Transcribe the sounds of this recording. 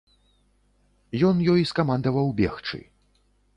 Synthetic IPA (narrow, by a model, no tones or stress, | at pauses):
jɔnjɔjiskamand̪ɐvɐwbʲɛxt͡ʂɨ̰